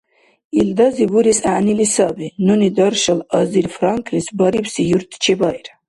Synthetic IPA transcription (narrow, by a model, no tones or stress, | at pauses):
ild̪azibuɾisaʕnilisabinunid̪ɔɾʃəlɑziɾfɾaŋkʰnisbaɾibsijuɾt̪ʰt͡ʃʰibajɾ